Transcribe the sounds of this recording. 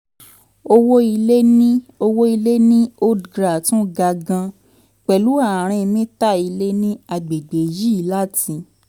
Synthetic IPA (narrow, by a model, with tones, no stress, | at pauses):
o˧wo˦i˧le˦nĩ˦o˧wo˦i˧le˦nĩ˦o˦dɡɾa˨tũ˦ɡa˧ɡã˧ | k͡pɛ˨lu˨˦a˦˨ɾ̃ĩ˧mĩ˦ta˦i˧le˦nĩ˦a˧ɡ͡be˨ɡ͡be˨ji˦i˨˧˦la˦tĩ˧